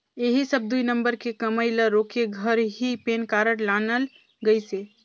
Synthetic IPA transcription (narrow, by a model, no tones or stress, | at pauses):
eɦisəb̚d̪uinəmbəɾkekəməɪləɾokeɡʱəɾɦipenkaɾəɽlanəl | ɡəjse